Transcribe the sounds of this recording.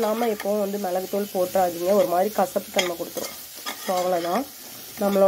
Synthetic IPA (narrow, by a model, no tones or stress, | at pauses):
naːmɐɛpːɐʋʊ̃ʋɐnd̪ɯmɛlɐɣɯt̪ːuːlpoːʈːɾaːðiːŋɡɐɔɾɯmaːd̪ɾikɐsɐpːɯk̪ːɐɳmɐkɔɽɯt̪ːɯɾʊ̰̃ | soːɐʋɐɭɐt̪ãː | nɐmːɐɭɐ